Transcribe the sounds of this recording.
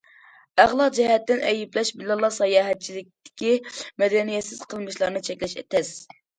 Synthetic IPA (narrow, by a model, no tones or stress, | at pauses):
æʁlˠɑd͡ʒɛhɛt̪ːɪnʔɛjiplɛʃbilɑlˠːɑsɑjɑːɦɛt̪̚t͡ʃʰilɪk̚ʲt̪ɪ̥kʲimɛd̪ɛnijɛt̪sɪz̥qʰəlˠmɨʃlˠɑɾnɨt͡ʃʰɛkʲlɛʃɛ̰t̪ʰɛs